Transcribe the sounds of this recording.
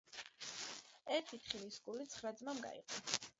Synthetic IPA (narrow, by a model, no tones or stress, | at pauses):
ɛɾt̪ʰit̪ʰχilisɡulit̪sʰχɾad̪zmamɡa̰ḭqʼɔ